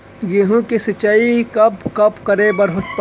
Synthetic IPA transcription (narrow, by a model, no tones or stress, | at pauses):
ɡeɦõkesɐt͡ʃːaːikɐpkɐpkɐɾebɐɾɦʊt͡ʃp